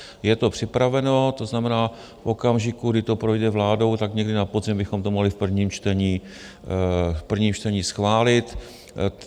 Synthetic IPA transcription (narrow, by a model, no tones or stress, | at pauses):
jɛt̪o̞pr̝̥ɪpɾavɛno̞t̪o̞znamɛnaː | fʔo̞kamʒɪkuɡdɪt̪opɾo̞jdɛvlaːdo̞wt̪akɲɛɡdɪnapozɪmbɪxo̞mt̪omoɦlɪfpr̩vɲiːmt͡ʃt̪ɛɲiː | fpr̩vɲiːmt͡ʃt̪ɛɲiːsxvaːlɪt̪